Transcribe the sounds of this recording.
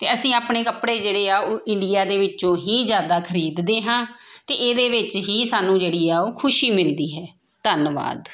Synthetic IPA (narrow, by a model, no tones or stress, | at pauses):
t̪eːəsĩːaːpɳeːkəpɽeːd͡ʒeːɽeːaːoːʔɪɳɖijaːd̪eːʋɪt͡ʃõːɦiːzjaːd̪aːkʰəɾiːd̪d̪eːɦãːt̪eːʔeːd̪eːʋɪt͡ʃɦiːsaːnũːd͡ʒeːɽiːaːoːkʰʊʃiːmɪld̪iːɦɛː | t̪ənʋa̰ːd̪